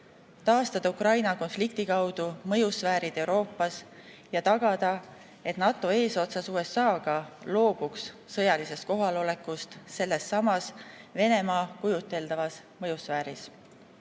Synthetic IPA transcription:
t̪ɑːst̪ɑd̪̥ɑukrɑjnɑko̞nflikt̪ikɑwd̪̥umɤ̞jusvæːɾid̪̥e̞uwɾo̞ːpːˑɑs | jɑt̪ɑɡ̥ɑd̪̥ɑ | e̞t̪nɑt̪ːˑo̞e̞ːso̞t̪sɑsuːe̞sːɑːɡ̥ɑlo̞ːb̥uksːɤjɑlise̞st̪̚ko̞ɦɑlo̞le̞kust̪se̞lːe̞sːɑmɑsve̞ne̞mɑːkujut̪ːˑe̞ld̪̥ɑvɑs | mɤjusvæːɾis

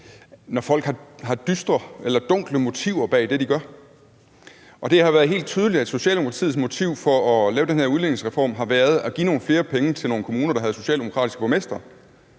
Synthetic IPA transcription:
nɒfɒ̽l̰ɡ̥hɑ̈ɦɑ̈d̥ysd̥ʁɐelɐd̥ɔ̽ŋ̰ɡ̥ləmo̝t͡sʰiʊ̰ɐb̥ɛ̰ːd̥e̝d̥iɡ̥ɶɐ | ʔɒ̽d̥e̝hɑ̈ʋæːɐð̞ˠɦe̝̰ːld̥̚t͡sʰyːðˠəlidæed̥so̝ɕɛ̰ːldemo̥pkʰɑt͡sʰḭð̩ˠsmo̝t͡sʰiʊ̰fɒ̽ɒlɛːʊd̥enheɐuð̞ˠleneŋsʁɛfɒ̰ːmɦɑ̈ʋæːɐð̞̩ˠæɡ̥ḭːno̝ːn̩fle̝ːɐpʰeŋət͡sʰe̝lno̝ːn̩kʰo̝muːnɐɾ̥ɑɦæðˠso̝ɕɛ̰ːld̥emo̝kʰʁɑ̰̈ːdisɡ̥əb̥ʰomesd̥ʁɐ

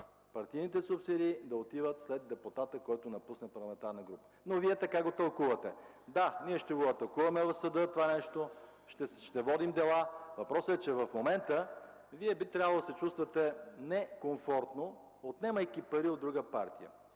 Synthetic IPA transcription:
pɐɾt̪ijnit̪ɛsʊpsid̪iːd̪ɐot̪ivət̪slɛd̪̚d̪ɛput̪at̪əkɔjt̪onɐpusnəpɐɾlˠɐmɛnt̪aɾnəɡɾupə̥ | noviɛt̪ɐkaɡot̪ɐlˠkuvɐt̪ɛ | d̪aniɛʃt̪ɛɡoɐt̪ɐkuvɐmɛvɐfsɐd̪ɤt̪ovanɛʃt̪o | ʃɛʃt̪ɛvɔd̪imd̪ɛlˠavɐpɾɔsəɛt͡ʃɛvɐfmomɛnt̪ə | viɛbit̪ɾʲavəlˠod̪ɐsɛt͡ʃust̪vɐt̪ɛnɛkoɱfɔɾt̪no | ot̪nɛməjk̟ipɐɾiod̪ːɾuɡəpaɾt̪ijə̰

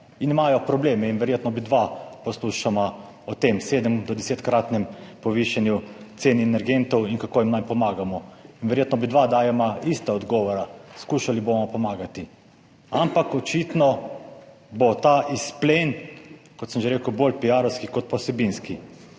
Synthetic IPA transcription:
inimajɔpɾɔbleːmɛinʋɛɾjeːt̪nɔbid̪ʋapɔsluʃama | ɔt̪emseːd̪əmd̪ɔd̪ɛset̪kɾaːt̪nɛmpɔʋiʃanju | t̪seːnɛnɛɾɡent̪ɔwinkakoːjimnajpɔmaːɡamɔinʋɛɾjeːt̪nɔbid̪ʋad̪aːjɛmaist̪aɔd̪ɡɔːʋɔɾaskuːʃalibomɔpɔmaːɡat̪i | ampakɔt͡ʃit̪nɔ | bɔt̪aʔisplenkɔt̪səmʒeɾeːkəwboːlpiaːɾɔwskikɔt̪̚pɔsɛbinski

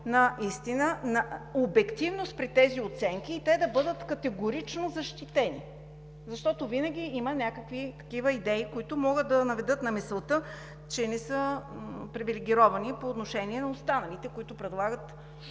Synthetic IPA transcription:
nɐʔist̪inənɐobɛkt̪ivnost̪̚pɾit̪ɛziot̪sɛŋk̟iːt̪ɛd̪ɐbɤd̪ət̪kɐt̪ɛɡoɾit͡ʃnozɐʃt̪it̪ɛni | zɐʃt̪ɔt̪ovinəɡ̟ʲiimənʲakəkvit̪ɐ̥k̟ivəid̪ɛikoit̪ʊmɔɡəd̪̚d̪ɐnɐvɛd̪ɤt̪nɐmɛslˠt̪ə | t͡ʃɛnɛsəpɾivilɛɡʲiɾɔvɐnipoːt̪noʃɛniɛnɐost̪anɐlit̪ɛkʊit̪ʊpɾɛd̪lˠaɡət̪

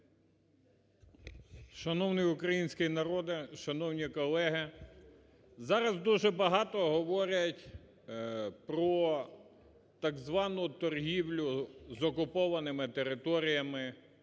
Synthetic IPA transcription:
ʃɐnɔwnɪjʊkɾɐjinʲsʲkɪjnɐɾɔd̪ɪʃɐnɔwnʲikɔlˠɛɦɪ | zɑɾɐzd̪uʒɛbɐɦɑt̪ɔɦɔʋɔɾʲɐtʲ | pɾɔ | t̪ɐɡzʋɑnʊt̪ɔrɦiwlʲʊzɔkʊpɔʋɐnɪmɪt̪eɾɪt̪ɔɾʲijɐmɪ

